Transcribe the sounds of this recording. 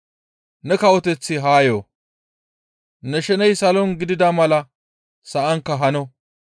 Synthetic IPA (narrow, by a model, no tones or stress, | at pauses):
nɛkɐwɔt̪ɛt͡sːɪɦaːjoː | nɛʃɛnɛjsɐlɔnɡɪd̪ɪd̪ɐmɐlɐ | sɐʔɐŋkːɐɦɐnɔ